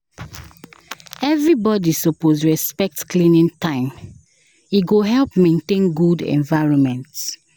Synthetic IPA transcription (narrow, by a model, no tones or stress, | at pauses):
ɛvɹibɔdisɔposɹɛspɛk̚tklĩnĩntãɪ̃m | iɡoɦɛlpmẽntẽnɡudɛ̰̃nvaɪɹɔ̃nmɛ̃nts